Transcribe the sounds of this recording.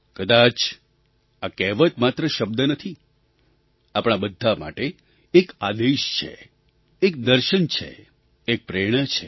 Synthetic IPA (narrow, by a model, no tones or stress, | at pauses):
kəd̪at͡ʃ | akɛʋət̪mat̪ɾəʃəb̚d̪ənət̪ʰi | apɽ̃abəd̪ʱːama̰ʈeː | kad̪eʃt͡ʃʰḛ | ek̚d̪əɾʃənt͡ʃʰḛː | k̚pɾeɽ̃ət͡ʃʰe